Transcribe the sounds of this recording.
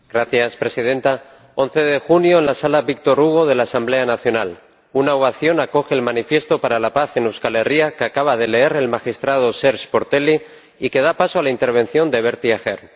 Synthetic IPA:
ɡ̥ɾaθjaspɾe̞sið̞e̞nt̪a | o̞n̟θe̞ðe̞xunjo̞enlasalaβik̚t̪o̞ɾuɣ̞oð̞e̞laːsamble̞anaθjo̞nal | unawaθjo̞nako̞xe̞ːlmãnifje̞st̪o̞paɾalapaθe̞newskale̞riakeakaβ̞að̞e̞le̞eɾe̞lmaxist̪ɾað̞o̞se̞ɾʃpo̞ɾt̪e̞li | ike̞ð̞apasoalaint̪e̞ɾβ̞e̞nθjo̞nd̪e̞βe̞ɾt̪iaxḛɾ

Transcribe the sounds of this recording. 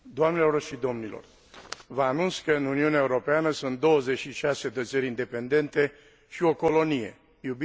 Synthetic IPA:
d̪oamnelo̞rʃid̪o̞mnilo̰r | vaːnunt̪skəɨnuniuneaeuɾo̞peanəsunt̪̚d̪o̞wəze̞t͡ʃʃiʃase̞d̪ət͡ʃəɾʲind̪e̞pe̞nd̪e̞nt̪e̞ | ʃio̞ko̞lo̞nije̞̰ | jubi

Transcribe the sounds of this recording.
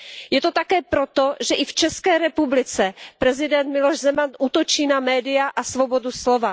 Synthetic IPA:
jɛt̪o̞t̪akɛːpɾot̪o̞ʒɛʔɪft͡ʃɛskɛːɾɛpublɪt͡sɛpɾɛzɪdɛnt̪mɪloʒzɛmanʔuːt̪o̞t͡ʃiːnamɛːdɪjaʔasvo̞bo̞duslo̞va

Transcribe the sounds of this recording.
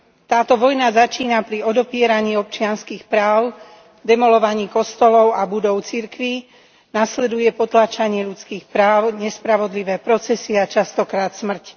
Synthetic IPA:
t̪aːt̪ɔʋɔjnazat͡ʃiːnapɾiɔd̪ɔpɪɛɾaɲiːɔp̚t͡ʃɪanskiːxpɾaːʊ | d̪ɛmɔlɔʋaɲiːkɔst̪ɔlɔʊabud̪ɔʊt͡siɾkʋi | naslɛd̪ujɛpɔt̪lat͡ʃaɲɪɛʎut͡skiːxpɾaːʊɲɛspɾaʋɔd̪liʋɛːpɾɔt͡sɛsiat͡ʃast̪ɔkɾaːt̪smr̩c

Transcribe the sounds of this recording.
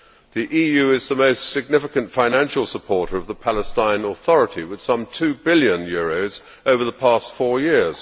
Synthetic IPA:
ðiʔijʉɪzðəməʊstsɪɡ̚nɪfɪkə̃ntfãɪ̃næ̃nʃəl̩ˠsəpʰɔɹɾə˞ʌvðəpʰæləstãɪ̃nəθɒɹəɾiwɨð̥sʌ̃mtʰʉːbɪljə̃njɔɹoʊz | oʊvə˞ðəpʰɑˑstfɔːɹjɪɹz̥

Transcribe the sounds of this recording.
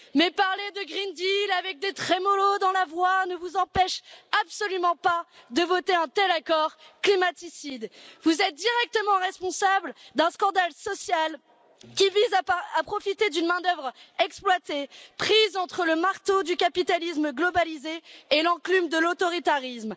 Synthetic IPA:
mɛpaʁled̪əɡʁind̪ilavɛk̚d̪et̪χɛmɔlod̪ɑ̃lavwanəvuzɑ̃pɛʃapsɔlymɑ̃pad̪əvɔt̪eɛ̃t̪ɛlakɔʁklimat̪isid̪vuzɛt̪̚d̪iʁɛk̚t̪əmɑ̃ʁɛspɔ̃sabld̪ɛ̃skɑ̃d̪alsɔsjal | kʲivizaapχɔfit̪ed̪ynmɛ̃d̪œvʁɛksplwat̪epχizɑ̃t̪χələmaʁt̪od̪ykapit̪alis̬mɡlɔbalizeːlɑ̃klymd̪əlot̪ɔʁit̪aʁism

